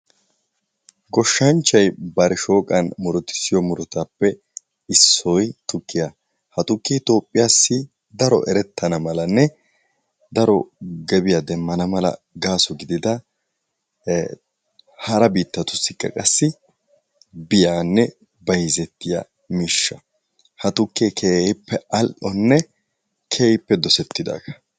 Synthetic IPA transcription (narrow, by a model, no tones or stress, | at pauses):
ɡɔʃːɐnt͡ʃːɐjbɐɾɛʃo̞ːkʼɐnmʊɾɔt̪ːɪ̥sɪjɔmʊɾɔt̪apːɛ | ɪsːɔjt̪ʊkʰːɪja | hɐt̪ʊkːiːt̪o̞ːpʼːɪjaːsːɪ | d̪ɐɾɔ̰ʔɛɾɛt̪ːɐnɐmɐlɐnːɛ | d̪ɐɾɔɡɛbɪjad̪ɛmːɐnɐmɐlɐ̰ | ɡaːsɔɡɪd̪ɪd̪ɐ | hɐɾɐbiːt̪ːɐt̪ʊsːɪkːɐ̰kʼɐsːɪ | bɪjaːnːɛ | bɐjzɛt̪ːɪja̰ | miːʃːɐ | hɐt̪ʊkːeːkʰeːpːɛɐlʔɔnːɛ | kʰeːpːɛd̪ɔsɛt̪ːɪd̪a̰ːkɐ̥